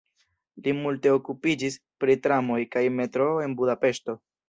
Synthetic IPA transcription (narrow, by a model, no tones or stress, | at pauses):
limulte̞okupid͡ʒis | pɾitɾamo̞jkajme̞tɾo̞e̞nbudape̞ʃto̞